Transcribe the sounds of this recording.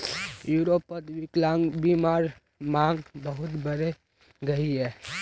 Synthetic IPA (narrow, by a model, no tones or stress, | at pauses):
juːɾopːəd̪biklaŋbimaːɾ | mãːŋɡbəɦʊt̪bəɾe | ɡɐiɦɛː